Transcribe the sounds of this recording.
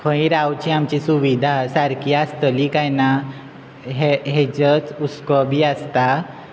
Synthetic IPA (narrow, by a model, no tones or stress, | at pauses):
fə̃iɾawt͡ɕiamt͡ɕisuʋid̪ʱasaɾkʰiast̪əlikajna | ɦeɦed͡ʑət͡suskɔbʱiːast̪a